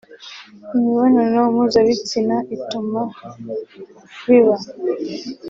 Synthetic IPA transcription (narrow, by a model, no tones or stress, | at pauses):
imiβananomuzaβit͡sinaʔituma | βiβa